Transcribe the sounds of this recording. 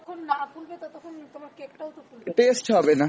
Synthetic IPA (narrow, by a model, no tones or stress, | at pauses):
ɔkʰonːakulbet̪ɔt̪ɔkʰont̪omaɾkek̚ʈawt̪ɔkulʈeːsʈɦɔbena